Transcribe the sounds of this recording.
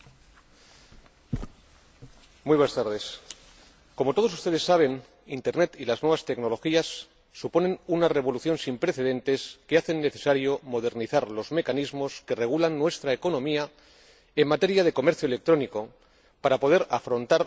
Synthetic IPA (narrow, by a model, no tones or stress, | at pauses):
mujβwest̪aɾðe̞s | ko̞mot̪o̞ð̞o̞s̬u̥st̪e̞ð̞e̞sːaβ̞e̞n | int̪e̞ɾne̞t̪ilaznwe̞βast̪e̞ɡno̞lo̞xiasː | upo̞nẽ̞nunare̞β̞o̞luθjo̞nsimpɾe̞θe̞ðẽ̞nt̪e̞ske̞aθe̞nːe̞θe̞̥saɾjo̞mo̞ð̞e̞ɾniθaɾlo̞zme̞kanizmo̞ske̞re̞ɣ̞ulanːwe̞st̪ɾaeko̞nõ̞mia | e̞mːat̪e̞ɾjaðe̞ko̞me̞ɾθjoele̞k̚t̪ɾo̞niko̞ | paɾapo̞ð̞e̞ɾafɾo̞nt̪aɾ